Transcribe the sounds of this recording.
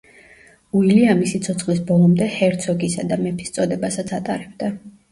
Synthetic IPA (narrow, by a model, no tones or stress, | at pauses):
uiliamisit̪sʰɔt̪sʰχlisbɔlˠɔmd̪ɛhɛɾt̪sʰɔɡisad̪amɛpʰi̥st̪sʼɔd̪ɛbasat̪sʰat̪ʼaɾɛb̚d̪a